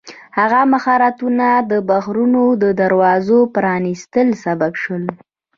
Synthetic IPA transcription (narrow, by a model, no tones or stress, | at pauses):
haɣamaxɑɾat̪unad̪əbaɣɾunod̪əd̪aɾwɑzopɾɑnist̪əlsababʃəl